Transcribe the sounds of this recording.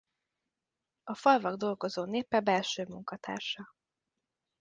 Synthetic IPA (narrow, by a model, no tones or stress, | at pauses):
ɒfɒlvɒɡd̪o̞lɡo̞zoːneːpːɛbɛlʃøːmuŋkɒt̪ʰa̰ːrʃɒ